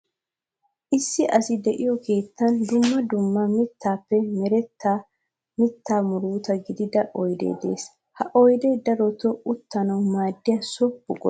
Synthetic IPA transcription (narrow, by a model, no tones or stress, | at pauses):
ʔɪsːɪʔɐsɪd̪ɛʔɪjɔkʰe̞ːt̪ːɐnd̪ʊmːɐd̪ʊmːɐmɪt̪ːaːpːɛmɛɾɛt̪ːa | mɪt̪ʰːaːmʊɾuːt̪ɐɡɪd̪ɪd̪ɐʔɔjd̪ḛːd̪e̞̰ːs | hɐʔɔjd̪eːd̪ɐɾɔt̪ɔʊt̪ːɐnɐwmaːd̪ːɪjɐsɔbːʊkʼɔ